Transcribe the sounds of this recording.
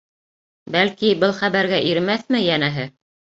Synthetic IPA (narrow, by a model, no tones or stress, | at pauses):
bælkibɤlˠχæβæɾɡæʔiɾmæθmɘjænæɦɘ